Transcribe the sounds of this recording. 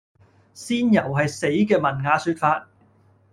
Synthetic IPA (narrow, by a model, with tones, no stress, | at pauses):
siː˥njɐ˨˩wɦɐ˨jse˨˥jkɛː˧mɐ˨˩nŋaː˨˧syː˧t̚faː˧t̚